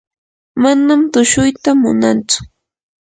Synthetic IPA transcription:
manamt̪ʊʃʊjt̪amʊ̰nant͡sʊ̥

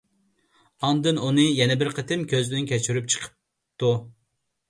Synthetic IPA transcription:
ɑnd̪ɨnunɨjɛnɛbɪɾqʰət̪ʰɪmkʲøznɪnkʲʰɛt͡ʃʰyɾyp̚t͡ʃʰə̥qʰə̥p̚ | t̪ʰu

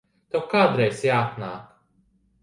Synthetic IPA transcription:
t̪awkaːd̪ɾɛjsjaːt̪naːk

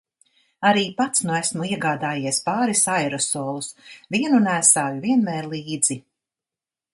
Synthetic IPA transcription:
aɾiːpat̪snuæsmuiɛɡaːd̪aːjiɛspaːɾisajɾɔsɔːlˠusviɛnunæːsaːjuviɛnmɛːɾlˠiːd̪z̥i

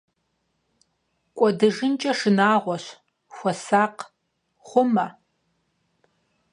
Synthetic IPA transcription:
kʷʼɔdɨʐɨnt͡ʃʼɐʂɨnaːʁʷɔɕ | xʷɔsaːq | χʷʊmɐ

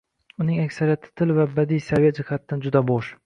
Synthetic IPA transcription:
ʊnɪŋakʲsaɾijat̪ʰɪ̥t̪ʰɪlvabad̪ijsavijad͡ʒɪhat̪ʰɪd̪and͡ʒʊd̪abɒʃ

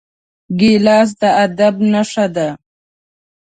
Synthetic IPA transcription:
ɡelɑːs̬d̪əad̪abnaʂad̪a

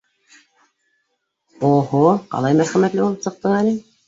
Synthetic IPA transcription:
oɦoqɑ̰lˠɑjmæɾχæmæt̪lɘulˠɤsɤ̆q̚t̪ɤɴænɘ

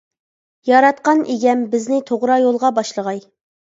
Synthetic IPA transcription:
jɑɾɑt̪̚qɑnʔeɡʲɛmbɪznɪt̪ʰoʁɾɑjolˠʁɑbɑʃlˠəʁɑj

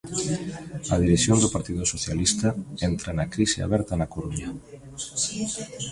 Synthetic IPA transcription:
ɐð̞iɾeθjond̪ʊpaɾt̪iðʊsoθjalist̪ɐɛnt̪ɾɐnɐkɾisɪa̰βɛɾt̪ɐnɐkoɾuɲɐ

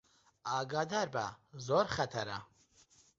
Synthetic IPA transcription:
aːɡad̪aɾba̰zɔɾχɛt̪ʰaɾa̰

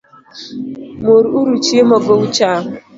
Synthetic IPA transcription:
moɾuɾut͡ʃiemaɡowut͡ʃa

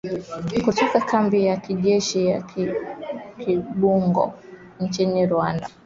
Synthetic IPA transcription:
kutɔkakʰambijakiʄɛʃija | kʰiɓuŋɡɔ̰ | nt͡ʃiniɾwanda

